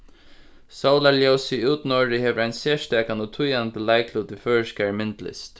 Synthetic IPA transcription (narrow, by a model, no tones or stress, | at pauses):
saʊlaljowsiuːt̪nɔɹɪhɛʋəɹajnseːʂt̪ɛːkanɔt̪ʰʊjant̪əlaɪkʰlut̪ɪføːɹskɛɹmɪnt̪lɪ̰st̪